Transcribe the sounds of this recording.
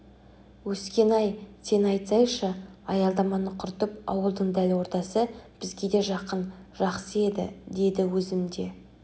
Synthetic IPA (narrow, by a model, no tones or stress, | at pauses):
wɵskʲe̞nɑjsʰe̞nɑjt̪sɑjʃəɑjɑlˠd̪ɑmɑnəqʰʊɾt̪əpɑ̰wəlˠd̪əɴd̪ælwo̞ɾt̪ɑsəb̥ɪzɡʲe̞d̪e̞ʒɑqənʒɑqsəe̞d̪ɪ̰d̪e̞d̪ɪwɵzɪmd̪e̞